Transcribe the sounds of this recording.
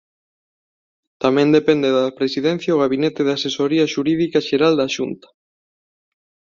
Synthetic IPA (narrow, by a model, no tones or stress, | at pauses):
t̪amẽnd̪epɛnd̪eðapɾesiðɛ̃n̟θjaoɣ̞aβ̞inɛt̪eðasesoɾiaʃuɾiðikaʃeɾald̪aʃunt̪ḁ